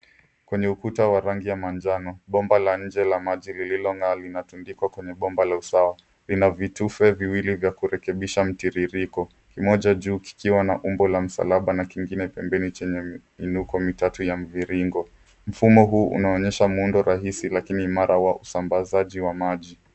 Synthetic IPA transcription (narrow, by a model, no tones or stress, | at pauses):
kwɛɲɛukutawaɾaŋɡijamand͡ʒanɔɓɔmbalaɲ̩d͡ʒɛlamaʄilililɔŋalinatundikwakwɛɲɛɓɔmbalausawa | linavitufɛviwilivjakuɾɛkɛɓiʃam̩tiɾiɾikɔ | kimɔʄaʄuːki̥kiwanaʔumbɔlam̩sa̰laɓanakiŋɡinɛpɛmbɛnit͡ʃɛɲɛminukɔmitatujam̩viɾiŋɡɔ | m̩fumɔɦuːʔṵnaɔɲɛʃamuundɔɾaɦisilakinimaɾʔawaʔusambazaʄiwamaʄi